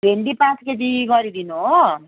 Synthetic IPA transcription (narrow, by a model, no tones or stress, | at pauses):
beɳɖipãskeʈiɡʌɾid̪inuɦo